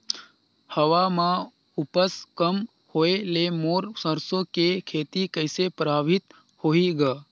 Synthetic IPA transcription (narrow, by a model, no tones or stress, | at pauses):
həʋamã | upəskəm | hoelemoːɾsəɾsõkekʰeːt̪ikəɪsepɾaːʋʱɪt̪ | hoiɡaː